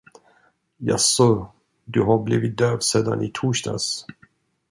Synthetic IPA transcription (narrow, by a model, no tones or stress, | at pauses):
ja̰sɔ | d̪ɵɦaɾbliːvɪt̪̚d̪øːvseːd̪a̰nit̪ʰuːʂda̰s